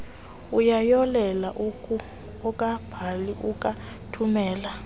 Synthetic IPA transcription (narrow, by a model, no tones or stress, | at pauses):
ujajɔlɛlaʔukʰu | ɔkʼab̥ʱaliʔukʼa | tʰumɛːla